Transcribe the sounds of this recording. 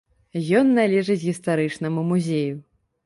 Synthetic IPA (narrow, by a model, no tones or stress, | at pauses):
jɔnːalʲɛʐɨd͡zʲɣʲist̪aɾɨt͡ʂnɐmumuzʲeju